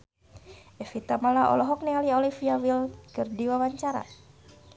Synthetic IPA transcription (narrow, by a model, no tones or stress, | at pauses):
ɛfit̪amalaʔɔ̰lɔɦɔk̚nɛaliɔlifiawilkɨrdiwawaɲt͡ʃaɾa̰